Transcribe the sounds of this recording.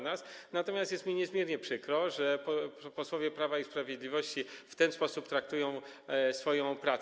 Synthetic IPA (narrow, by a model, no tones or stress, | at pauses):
nasnat̪ɔmʲjast̪jɛst̪mʲiɲɛzmʲjɛɾɲɛpʂɘkɾɔʐɛpɔpɔswɔvʲjɛpɾavaispɾavʲjed̪lʲivɔɕt͡ɕift̪ɛnspɔsupt̪ɾak̚t̪ujɔ̃w̃ | sfɔjɔ̃w̃pɾat̪